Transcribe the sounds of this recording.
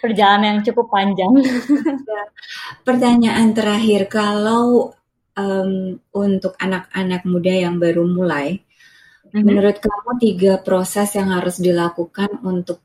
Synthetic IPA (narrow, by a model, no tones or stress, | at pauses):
pərd͡ʒalanjaŋt͡ʃukʊpːaɲd͡ʒaŋjapərt̪aɲaʔant̪əɾaɦɪrkalaw | əmunt̪ʊkanak̚anak̚mudajaŋbaɾumulaj | mənuɾʊt̪̚kamut̪iɡapɾosɛsjaŋhaɾʊsdilakukanunt̪ʊk̚